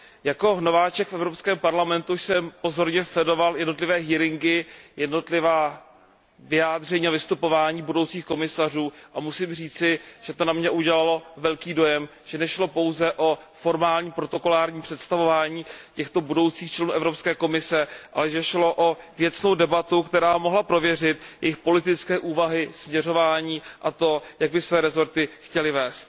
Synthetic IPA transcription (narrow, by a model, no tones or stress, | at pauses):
jako̞ɦnovaːt͡ʃɛkfɛvɾopskɛːmpaɾlamɛnt̪uʃsɛmpo̞zo̞ɾɲɛslɛdo̞valjɛdno̞t̪̬lɪvɛːɦiːɾɪŋɡɪjɛdno̞t̪lɪvaː | vɪjaːd̪r̝ɛɲiːavɪst̪upo̞vaːɲiːbudo̞wt͡siːxko̞mɪsar̝uːʔamusɪmriːt͡sɪʒ̥ɛt̪o̞namɲɛʔuɟɛlalo̞vɛlkiːdo̞jɛm | ʒ̥ɛnɛʃlo̞po̞wzɛʔo̞fo̞ɾmaːlɲiːpɾo̞t̪o̞ko̞laːɾɲiːpr̥ɛt̪st̪avo̞vaːɲiːcɛxt̪o̞budo̞wt͡siːxt͡ʃlɛnuːʔɛvɾo̞pskɛːko̞mɪsɛʔa̰lɛʒɛʃlo̞ʔo | vjɛt͡sno̞wdɛbat̪ukt̪ɛɾaːmoɦlapɾo̞vjɛr̝ɪt̪jɛ̰jɪxpo̞lɪt̪ɪt͡skɛːʔuːvaɦɪsmɲɛro̞vaːɲiːʔat̪o̞jaɡ̚bɪsvɛːɾɛzo̞ɾt̪ɪxcɛlɪvɛːst̪̚